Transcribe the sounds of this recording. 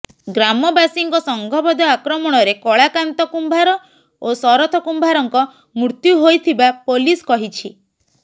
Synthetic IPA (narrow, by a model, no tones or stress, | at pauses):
ɡɾamɔbasiŋkɔsɔŋɡʱɔbɔd̪ɔakɾɔmɔɽ̃ɔɾekɔɭakant̪ɔkumbʱaɾɔ | osɔɾɔt̪ʰɔkumbʱaɾɔŋkɔ | muɾt̪juɦojt̪ʰibapoliskɔɦit͡ʃʰi